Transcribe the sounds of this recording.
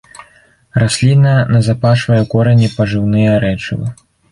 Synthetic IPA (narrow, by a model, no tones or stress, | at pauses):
rasʲlʲinɐɐnɐzapaʂvɐjɛkɔɾɐnʲipɐʐɨwnɨjɐɾɛt͡ʂɨ̰vɨ̰